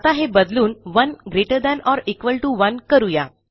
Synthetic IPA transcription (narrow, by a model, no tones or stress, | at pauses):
t̪aɦebəd̪luːnʋənɡɾeʈəɾd̪ɛ̃nɔɾikʋəlʈuʋənkəɾuja